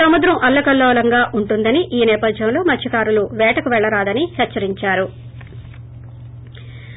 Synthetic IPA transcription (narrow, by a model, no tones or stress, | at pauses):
ɐmud̪ɾɐmʔɐlːɐkɐlːɔːlɐŋɡaːʔuɳʈund̪ɐniʔiːnɛːpɐd̪ʱjɐmlo̞ːmɐtt͡ʃʰːɐkaːɾuluʋɛːʈɐkuʋɛɭːɐɾaːd̪ɐnihɛt͡ʃːt͡ʃːɐɾiɲt͡ʃaːɾu